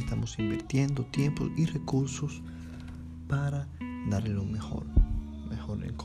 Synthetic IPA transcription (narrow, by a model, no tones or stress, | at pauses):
st̪amosimbiɾt̪je̞nd̪ot̪je̞mpo̰sirekuɾsos | paɾad̪aɾlelomexo̰ɾ | mexoɾḛŋk